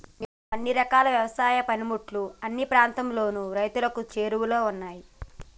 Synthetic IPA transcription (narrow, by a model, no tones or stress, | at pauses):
neːnːuɐnːiɾɐkaːlɐʋjɐʋɐsaːjɐpɐnimuʈluɐnːipɾaːnt̪ɐmlo̞ːnuɾɐjt̪ulɐkut͡ʃe̞ːɾuwulo̞ːunːaːji